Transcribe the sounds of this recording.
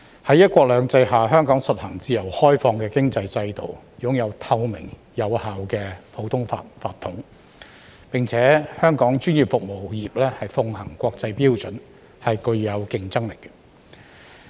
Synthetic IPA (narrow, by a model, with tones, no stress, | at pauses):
hɐ˨˥jɐ˥t̚kʷɔː˧k̚lœː˨˧ŋt͡sɐ˧jɦaː˨˩ɦœː˥ŋkɔː˨˥ŋsɐ˨t̚hɐ˨˩ŋt͡siː˨jɐ˨˩whɔː˥jfɔː˧ŋkɛː˧kɪ˥ŋt͡sɐ˧jt͡sɐ˧jt̪o˨w | jʊ˨˥ŋjɐ˨˧wt̪ʰɐ˧wmɪ̰˨˩ŋ | jɐ˨˧whaː˨wkɛː˧pʰo˨˥wt̪ʰʊ˥ŋfa̰˧faː˧t̪ʰːʊ˨˥ŋ | pɪ˨ŋt͡sʰɛː˨˥hœː˥ŋkɔː˨˥ŋt͡ʃyː˥njiː˨p̚fʊ˨k̚mo˨˩wjiː˨p̚lɛː˥hɐ˨jfʊ˧ŋhɐ˨˩ŋkʷɔː˧k̚t͡sɐ˧jpiː˥wt͡ʃɵ˨˥n | hɐ˨jkɵ˧ɥjɐ˨˧wkɪ˧ŋt͡sɐ˥ŋlɪ˨˩k̚